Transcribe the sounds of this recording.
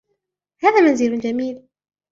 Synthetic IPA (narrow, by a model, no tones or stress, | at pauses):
haːðaːmanziːlʊnd͡ʒamiːl